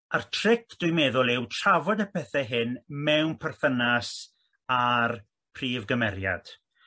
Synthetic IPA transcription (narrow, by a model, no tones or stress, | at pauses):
artʰrɪkʰd̥ʊjmeːðʊlˠɪwtʰravɔdəpʰɛθɛɦɪnmɛwnpʰɛrθənas | ar | pʰriːvɡəmɛɾja̰d̥